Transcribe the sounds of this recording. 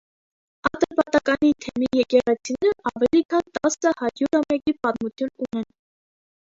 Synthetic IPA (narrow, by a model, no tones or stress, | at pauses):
ɑt̪əpɑt̪ɑkɑnit̪ʰɛmijɛkɛʁɛt͡sʰinɛɾəʔɑvɛlikʰɑnt̪ɑsəhɑɾjuɾhɑmɛkipɑt̪mut͡sʰjununɛn